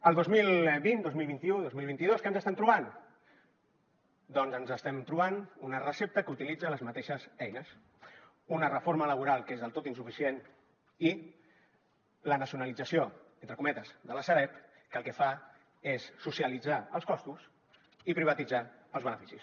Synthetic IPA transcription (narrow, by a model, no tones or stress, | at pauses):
əlˠd̪ozmilβind̪ozmilˠβint̪iuðozmilˠβint̪iðoskənzəst̪ɛmt̪ɾuβ̞an | d̪ɔnzənzəst̪ɛmt̪ɾuβanunərəsep̚t̪əkut̪ilid͡zələzmət̪eʃəzɛjnəs | unərəfoɾmələβuɾalˠkezðəlˠt̪ot̪insufisien | i | lənəsiunəlid͡zəsioent̪ɾəkumɛt̪əzðələsəɾɛp | kəlˠkəfa | esːusiəlid͡zaəlˠskɔst̪us | ipɾiβət̪id͡zaəlˠzβənəfi̥sis